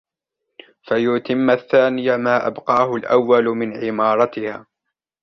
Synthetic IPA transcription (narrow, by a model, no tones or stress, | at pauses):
fajʊt̪ɪmːaθːaːnɪjamaːʔa̰bqɑːhʊlʔa̰wːalʊmɪnʕɪmɑːɾˤɑt̪ɪhaː